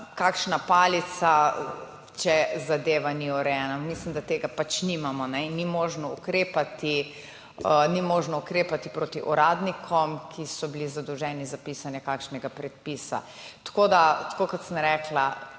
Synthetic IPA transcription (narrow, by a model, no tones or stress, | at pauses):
kakʃnapaːlit̪sa | t͡ʃɛzad̪eːʋaniuɾɛjɛnamislimd̪at̪eːɡapat͡ʃnimamɔnɛinːimoʒnɔukɾeːpat̪i | nimoːʒnɔukɾeːpat̪ipɾoːt̪iʔɔɾaːd̪nikʰɔmkʰisɔbilizad̪ɔwʒɛːnizapiːsanjɛkakʃnɛɡapɾɛt̪̚piːsa̰ | t̪kod̪at̪kokɔt̪sənɾɛkla